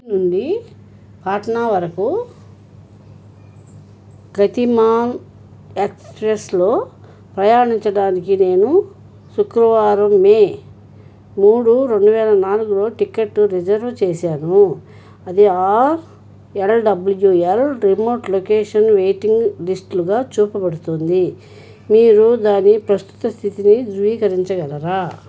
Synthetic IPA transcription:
nuɳɖi | paːʈɐnaːʋɐɾɐku | ɡɐt̪imaːn | ekspɾeslo̞ː | pɾɐjaːɳiɲt͡ʃɐɽaːnikine̞ːnu | sukɾɐʋaːɾɐmeː | muːɽuɾe̞ɳɖuʋɛːlɐnaːluɡulo̞ːʈikeʈːuɾid͡ʒɐɾʋt͡ʃeːsaːnu | ɐd̪iaːɾ | elɖɐbuljuelɾimoːʈlokeːʂɐnʋejʈiŋɡlisʈluɡaːt͡ʃuːpɐbɐɽut̪ond̪i | miːɾud̪aːnipɾɐst̪u̥t̪ɐst̪ʰit̪inid̪ʋiːkɐɾiɲt͡ʃɐɡɐlɐɾaː

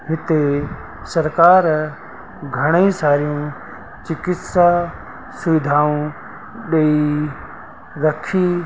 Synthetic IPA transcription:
ɦɪt̪e | sɐɾkaːɾ | ɡʱɐɽ̃eĩsaːɾijũ | t͡ʃɪkɪt̪sa | sʊʋɪd̪ʱaːũ | ɗei | ɾɐkʰiː

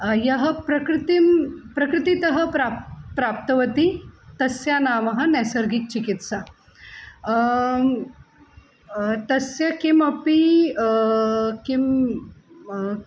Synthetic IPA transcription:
jɐɦəpɾɐkɾit̪impɾɐkɾit̪it̪əɦəpɾapɾap̚t̪əʋət̪it̪ɐsjanamɐɦanɛsəɾɡik̚t͡ɕikit̪sa | t̪ɐsjəkimɐpi | kim

